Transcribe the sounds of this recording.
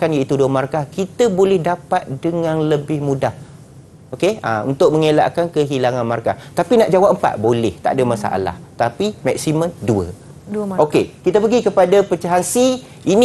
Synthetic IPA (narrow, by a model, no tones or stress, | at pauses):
kanjait̪uduəmaɾkahkit̪əbolɛhdapat̪̚dəŋãnləbɪhmũdah | okea̰ṵnt̪ʊk̚mə̃ŋela̰ʔkankəɦilaŋanmaɾka̰ht̪apinaʔd͡ʒawap̚əmpa̰t̪̚bolɛht̪a̰ʔdəmasa̰ʔa̰la̰ht̪apimak̚simə̃nduə̰ | okkekit̪əpəɡikəpadapət͡ʃaɦansi | in